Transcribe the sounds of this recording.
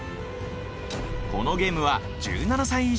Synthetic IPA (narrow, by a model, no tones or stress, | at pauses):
ko̞no̞ɡe̞ːmɯ̟βa | d͡ʑɨ̰ːnanasãɰ̃i